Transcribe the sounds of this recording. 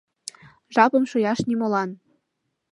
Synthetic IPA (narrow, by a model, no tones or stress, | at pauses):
ʒɑpɤ̆mʃujɑʃnimŏlɑn